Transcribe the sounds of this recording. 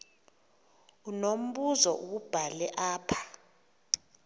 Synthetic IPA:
unom̩ɓuzɔʔukub̥ʱalɛʔaːpʰḁ

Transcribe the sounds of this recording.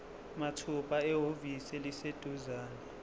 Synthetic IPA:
matʰupʼaɛɦovisɛlised̥ʱuzaːnɛ

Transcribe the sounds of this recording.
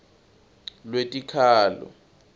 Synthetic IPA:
lwetʼikʰaːlɔ̰

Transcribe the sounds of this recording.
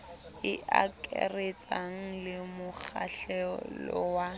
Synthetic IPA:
ɪʔakʼɛret͡sʼaŋ̩lɪmʊk͡xʰaɬɛlɔwa

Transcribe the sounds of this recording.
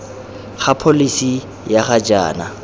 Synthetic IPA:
χapʰolisi | jaχad͡ʒa̰ːna

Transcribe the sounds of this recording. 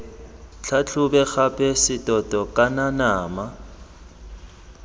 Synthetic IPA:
t͡ɬʰat͡ɬʰʊbɛk͡xapʰʼɛsɪtʼɔtʼɔkʼananaːma

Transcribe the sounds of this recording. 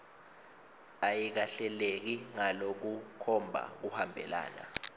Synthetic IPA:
ajik̬aɬɛlek̬iŋalok̬ukʰɔmbʱa̰k̬uhambʱɛ̰la̰ːna̰

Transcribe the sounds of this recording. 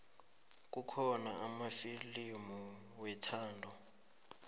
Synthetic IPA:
k̬ʼukʰɔnaamafilimɔ | wɛtʰaːndʱɔ

